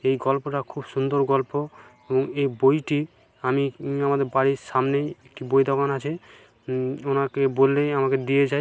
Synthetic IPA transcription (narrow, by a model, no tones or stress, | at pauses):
ejɡɔlpoʈakʰubʃund̪oɾɡɔlpo | eboŋejbojʈi | amiamad̪eɾbaɽiʃamneek̚ʈibojd̪ʱɔkanat͡ɕʰe | onakebolːeamaked̪ijed͡ʑaj